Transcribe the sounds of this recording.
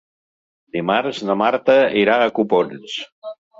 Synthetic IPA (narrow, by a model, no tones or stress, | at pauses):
d̪imaɾznəmaɾt̪əiɾaːkupons